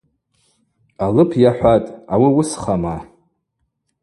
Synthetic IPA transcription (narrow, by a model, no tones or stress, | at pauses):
alɨpʰjaħʷatʼawiwʊsχama